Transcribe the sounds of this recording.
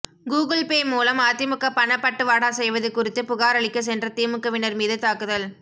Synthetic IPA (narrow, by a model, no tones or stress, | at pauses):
ɡuːɣɐlpeːmuːlɐmaːt̪ːɪmɯkːɐpɐɳɐpːɐʈːɯʋaːɽaːsɛjʋɐðɯkʊrɪt̪ːɯpʊɣaːɾɐɭɪkːɐs̬ɛndrɐt̪iːmɯkːɐʋɪnɐɾmiːðɯt̪aːkɯðɐl